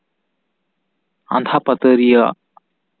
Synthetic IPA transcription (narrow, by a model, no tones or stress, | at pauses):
a̰nd̪ʱʰapət̪əɾija